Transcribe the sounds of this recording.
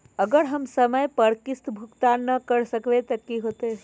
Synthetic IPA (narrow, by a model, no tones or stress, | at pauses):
əɡəɾɦəmsəməjpəɾkist̪bʱukt̪anːəkəɾsəkʋet̪əkiɦot̪e